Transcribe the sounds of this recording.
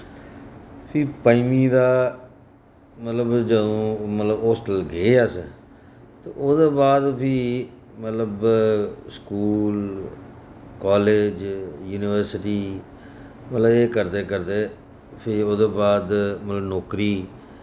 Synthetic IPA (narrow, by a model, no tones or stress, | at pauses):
pʰiːpaːimiːd̪aː | mət̪ləbd͡ʒəd̪õːmət̪ləboːsʈəlɡeːaːs | t̪eoːd̪eːbaːd̪pʰiː | mət̪ləb | skuːl | kɔːleːd͡ʒjuːnɪʋəɾsɪʈiː | mət̪ləbeːkəɾd̪eːkəɾd̪eː | pʰɪoːd̪eːbaːd̪mət̪ləbnɔːkɾiː